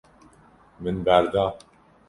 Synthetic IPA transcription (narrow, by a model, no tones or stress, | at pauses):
mɘnbæɾd̪ɑ